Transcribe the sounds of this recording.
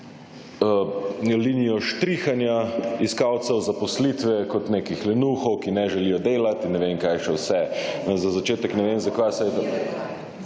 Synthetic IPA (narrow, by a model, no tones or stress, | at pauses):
linijɔʃt̪ɾixanjaiskawt̪sɛwzapɔslit̪ʋɛkɔt̪neːkixlɛnuxɔwkinɛʒɛlijɔd̪eːlat̪inːɛʋemkajʃɛwsɛnɛzazat͡ʃeːt̪ɛknɛʋemzakʋajsajt̪